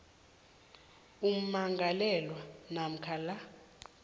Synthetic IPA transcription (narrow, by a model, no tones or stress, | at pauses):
um̩maŋɡʱalɛlwanam̩kʰala